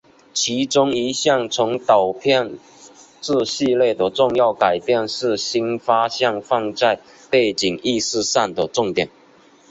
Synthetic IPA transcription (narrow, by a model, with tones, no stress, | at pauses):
t͡ɕʰi˧˥ʈ͡ʂʊ˥ŋi˧˥ɕjɑ˥˩ŋt͡sʰʊ˧˥ŋt̪ɑ˨˩ʊpʰjɑ˥˧ŋ | ʈ͡ʂɹ̩˥˧ɕi˥˧lje˥˩d̪ə˩ʈ͡ʂʊ˥˧ŋjɑ˥˩ʊka˨˩ɪpjɛ˥˩nʂɻ̩˥˩ɕi˥nfa˥ɕjɑ˥˧ŋfɑ˥˧ŋt͡sa˥˧ɪ | pe˥˩ɪt͡ɕi˨˩ŋi˥˧sɹ̩˥˧sa˥˩nd̪ə˩ʈ͡ʂʊ˥˧ŋt̪jɛ˨˩n